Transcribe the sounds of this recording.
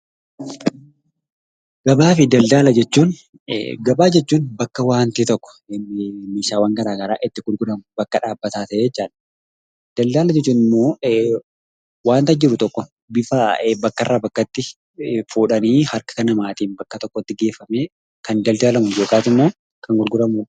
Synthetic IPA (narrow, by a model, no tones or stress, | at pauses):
ɡ̥ɐbaːfɪd̪ɐld̪aːlɐd͡ʒɛt͡ʃːuːn̰ | ɡɐbaːd͡ʒɛt͡ʃːuːnbɐkːɐwaːnt̪iːt̪ɔkːɔ̥ɪnːɪmeːʃaːwɐŋɡɐɾaːɡɐɾa̰ːʔɪt̪ːɪɡʊlɡʊdɐmʊbɐkːɐᶑaːbːɐt̪aːt̪ɐʔet͡ʃːaːᶑɐ̥ | d̪̥ɐld̪aːlɐd͡ʒɛt͡ʃːuːnɪmːo̞ː | waːnt̪ɐd͡ʒɪɾʊt̪ɔkːɔ | bɪfabɐkːɐrːaːbɐkːɐt̪ːɪ | fuːᶑɐniːhɐɾkɐ̥kɐnɐmaːt̪iːnbɐkːɐt̪ɔkːɔt̪ːɪɡe̞ːfɐmeː | kɐnd̪ɐld̪aːlɐmʊjoːkʼaːt̪ɪmːo̞ː | kɐŋɡʊɾɡʊɾɐmʊ